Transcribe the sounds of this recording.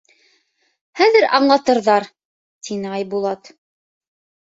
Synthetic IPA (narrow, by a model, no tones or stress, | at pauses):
hæðɘɾʔɑɴlˠɑt̪ɤ̆ɾðɑɾ | t̪inɘɑjbulˠɑt̪